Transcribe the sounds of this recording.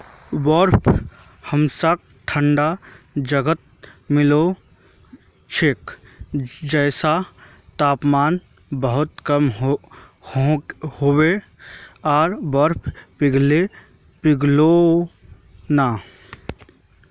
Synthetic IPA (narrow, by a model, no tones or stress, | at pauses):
wɔɾpʰ | həmsak̚ | ʈʰəɳɖa | d͡ʒəɡət̪̚mɪlo | t͡ʃʰek | d͡ʒɛːsa | t̪aːpmaːn | bəɦʊt̪kəm | howe | aːɾwəɾpʰpɪɡle | pɪɡlo | na